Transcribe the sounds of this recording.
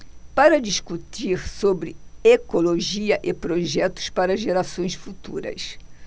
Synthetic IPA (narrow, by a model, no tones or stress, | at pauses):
paɾɐd͡ʒiskut̪iɾsobɾɪekoloʒiɐʔɪpɾoʒɛt̪ʊ̥spaɾɐʒeɾasõj̃sfut̪ṵɾɐ̰s